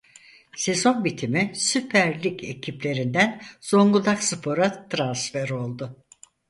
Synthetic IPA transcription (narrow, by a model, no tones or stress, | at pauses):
se̞zo̞nbit̪ʰimisypʰæɾlʲicʰe̞cʰiplʲe̞ɾind̪ænz̥o̞ŋɡud̪aksɯpʰo̞ɾat̪ʰɾansfeɾo̞lˠd̪ʊ